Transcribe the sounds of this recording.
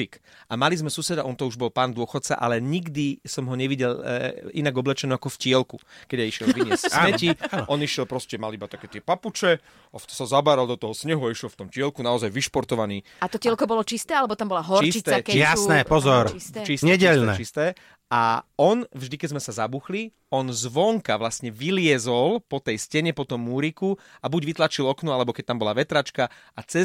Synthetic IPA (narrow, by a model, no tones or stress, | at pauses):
ikamalizmɛsusɛd̪aʔɔnt̪ɔuʒbɔlpaːnd̪ʊɔxɔt̪̚t͡sa̰ʔa̰lɛɲiɡd̪isɔmɦɔɲɛʋiɟɛlinaɡɔblɛt͡ʃɛnuakɔfcɪɛlkṵkɛɟajiʃjɛlʋiɲɛsamɛcinʔɔniʃɪɛlpɾɔscɛmalibat̪akɛːt̪ɪɛpaput͡ʃɛ | aft̪sazabaːɾald̪ɔt̪ɔɦɔsɲɛɦuaiʃjɛlft̪ɔmcɪɛlkunaɔzajʋiʃpɔɾt̪ɔʋaniː | at̪ɔcɛlkɔbɔlɔt͡ʃist̪ɛːalɛbɔt̪ambɔlaɦɔt͡ʃist͡ʃit̪ɛːkɛjasnɛpɔzɔɾit͡ʃisɲɛɟɛʎnɛ̰ist̪ɛː | aɔnvʒd̪ikɛzmɛsazabuxli | ɔnzʋɔŋkaʋlasɲɛʋilɪɛzɔlpɔt̪ɛjscɛɲɛpɔt̪ɔmːuɾikuabuɟʋit̪lat͡ʃilɔknualɛbɔkɛc̚t̪ambɔlaʋɛt̪ɾat͡ʃka | ʔat͡sɛ